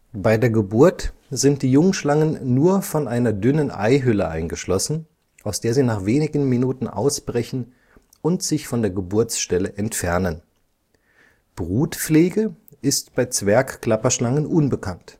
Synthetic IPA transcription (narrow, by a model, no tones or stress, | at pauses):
b̥aɪdeːɐɡəbuɐtz̥ɪntd̥iːjʊŋʃlaŋənːuːɐfɔnʔaɪnɐdʏnənʔa̰ɪɦʏləʔa̰ɪnɡəʃlɔsn̩ | ʔaʊsd̥eːɐziːnaːχv̥eːnɪɡn̩minuːtn̩ʔa̰ʊsb̥ʁɛçn̩ | ʊntz̥ɪçfɔndeːɐɡəbʊɐt͡sʃtɛləʔɛntfɛɐnən | b̥ʁuːtp͡fleːɡəʔɪstb̥aɪt͡sv̥ɛɐkkl̥apɐʃlaŋənʔʊnbəkʰant